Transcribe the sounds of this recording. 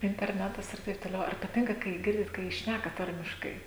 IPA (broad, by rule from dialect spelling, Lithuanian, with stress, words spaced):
ɪnʲtʲɛrʲˈnʲæːtɐs ɪr ˈtɐɪp toːˈlʲɛʊ ɐr pɐˈtʲɪŋkɐ ˈkɐɪ ˈɡʲɪrʲdʲɪt kɐɪ ˈʃʲnʲækɐ ˈtɐrʲmʲɪʃkɐɪ